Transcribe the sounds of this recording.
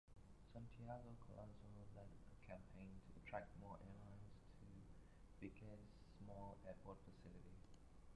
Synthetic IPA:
sãntʰiaɡokʰɔlʔɔ̃nsolɛtəkʰɛ̃mpʰẽɪntʰuətʰɹɛk̚t̚mɔʔɛlãɪnstʰu | b̥ikʰɛsmɔlɛt̚pɔtfəsɪliti

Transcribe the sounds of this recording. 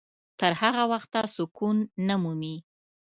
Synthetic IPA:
t̪əɾhaɣawaxt̪ːasʊkunːəmumi

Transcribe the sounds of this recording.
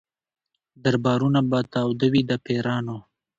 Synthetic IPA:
d̪aɾbɑːɾunabat̪ɑwd̪əwid̪əpʰeɾɑːno

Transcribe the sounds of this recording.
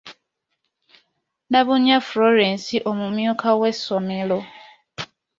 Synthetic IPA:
naβuɲafloɾensiʔomumjokʰawesomelo

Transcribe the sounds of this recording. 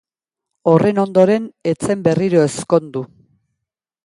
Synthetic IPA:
o̞rʔe̞no̞nd̪o̞ɾe̞ne̞t͡se̞mbe̞riɾo̞esko̞nd̪u

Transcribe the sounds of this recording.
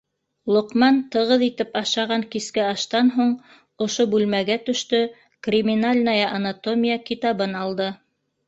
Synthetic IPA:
lˠŏqmɑnt̪ɤ̆ʁɤðit̪ɘpɑʃɑʁɑŋkiskæɑʃt̪ɑnɦuɴ | ŏʃobʉlmæɡæt̪ɵ̆ʃt̪ɵ | krʲimʲinalʲnajɑʔanat̪omʲijakit̪ɑβɤnɑlˠd̪ɤ

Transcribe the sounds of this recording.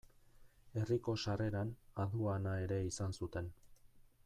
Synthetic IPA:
e̞riko̞sare̞ɾanaðuanae̞ɾe̞isansut̪e̞n

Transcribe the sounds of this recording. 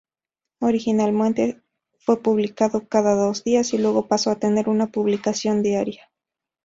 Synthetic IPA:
oɾixinalmwent̪e | fwe̞puβlikaðokaðaðozd̪iasilwe̞ɣo̞pasoat̪ene̞ɾunapuβlikasjo̞nd̪iaɾja

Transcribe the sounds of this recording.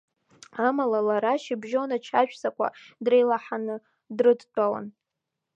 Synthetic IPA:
amalalaɾaʃibʒonat͡ʃʰaʃᶣsakʷʰa̰drejlaħanɨ | drɨdt͡pʼawa̰n

